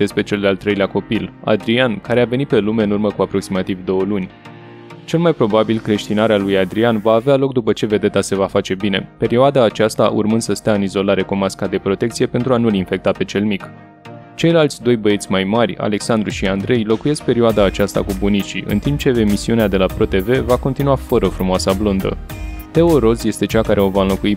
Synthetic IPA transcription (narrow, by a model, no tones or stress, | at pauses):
d̪̥e̞spɾe̞t͡ʃe̞ld̪alt̪ːɾejleako̞pila̰d̪ɾiankaɾe̞ave̞nit̪̚pe̞lume̞ɨnurməkuapɾo̞ksimat̪ivd̪o̞wəlunʲ | t͡ʃe̞lmajpɾo̞babilkɾe̞ʃt̪inaɾealujad̪ɾianvaːvealo̞k̚d̪upət͡ʃe̞ve̞d̪e̞t̪ase̞vafat͡ʃe̞bine̞̰pe̞ɾioad̪aːt͡ʃast̪aʔṵrmɨnd̪̥səst̪eaɨnizo̞laɾe̞komaskad̪e̞pɾo̞t̪e̞kt̪sije̞pe̞nt̪ɾuanulinfe̞k̚t̪ape̞t͡ʃe̞lmik | t͡ʃe̞jlalt̪sʲd̪o̞jbəet̪sʲmajmarʲa̰le̞ksand̪ɾuʃiand̪ɾe̞jlo̞kuje̞sk̚pe̞ɾioad̪aːt͡ʃast̪a̰kubunit͡ʃiʔɨ̰nt̪imp̚t͡ʃe̞emisiunead̪e̞lapɾo̞t̪e̞ve̞vako̞nt̪inuafəɾəfɾumoasablond̪ə̰t̪e̞o̞ɾo̞zje̞st̪e̞t͡ʃakaɾʔe̞o̞vaɨnlokui